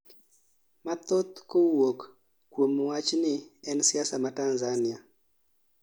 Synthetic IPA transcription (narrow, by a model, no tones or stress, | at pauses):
mat̪ot̪kowok | kwomwat͡ʃnɪɛnsiasamatanzania